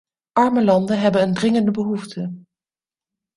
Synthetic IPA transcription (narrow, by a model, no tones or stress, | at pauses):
ʔɑɹməlɑndəɦɛbənːndrɪŋəndəbəɦuftʰə